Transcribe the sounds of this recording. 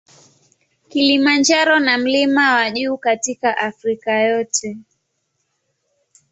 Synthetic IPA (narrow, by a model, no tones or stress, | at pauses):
kilimand͡ʒaɾɔnam̩limawaʄuːkatikaʔafɾikajɔtʰɛ